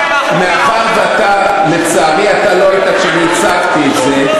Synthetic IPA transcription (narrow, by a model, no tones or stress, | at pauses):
meaχaʁveat̪a | let͡samiat̪aloait̪at͡ʃemit͡sakt̪ietze